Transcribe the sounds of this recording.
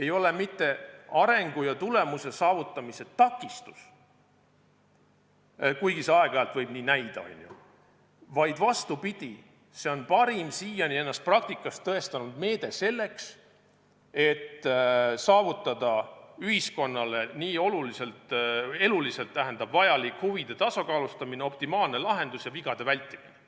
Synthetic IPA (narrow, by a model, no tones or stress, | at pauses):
e̞jo̞le̞mit̪ːe̞ɑɾe̞ŋɡ̥ujɑt̪ule̞muse̞sɑːvut̪ːˑɑmise̞t̪ɑkːˑist̪u̥s | kujɡ̥iseɑe̞ɡ̥ɑɑlt̪vɤ̞jbniːnæjd̪̥ɑ̰ɑ̰jnʲjṵ | vɑjd̪̥vɑst̪upid̪̥i | se̞o̞npɑɾimsiːjɑnʲie̞nːɑst̪̚prɑk̚t̪ikːˑɑst̪ːɤe̞st̪ɑnud̪̥me̞ːd̪̥e̞se̞lːe̞ks | e̞t̪ːsɑːvut̪ːˑɑd̪̥ɑyɦisko̞nːɑle̞niːo̞lulise̞lt̪e̞lulise̞lt̪ːæɦe̞nd̪̥ɑb̥vɑjɑlikhuvid̪̥e̞t̪ɑsɑkɑːlust̪ɑmine̞o̞pt̪imɑːlne̞lɑɦe̞nd̪usjɑviɡ̥ɑd̪̥e̞vælʲt̪ːˑimine